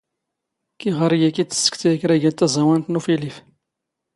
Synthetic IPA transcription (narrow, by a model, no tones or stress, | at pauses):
kiʁəɾjækit͡sːə̥sːə̥kθjækɾæʝæt̪ːæzˤɑwænt̪nufilif